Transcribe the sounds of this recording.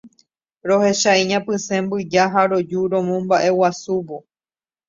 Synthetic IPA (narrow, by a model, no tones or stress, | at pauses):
ɾo̞he̞ʃaĩɲãpɨsẽ̞mbɨd͡ʒaɦaɾo̞d͡ʒuɾõ̞mõmbaʔe̞wasuʋo̞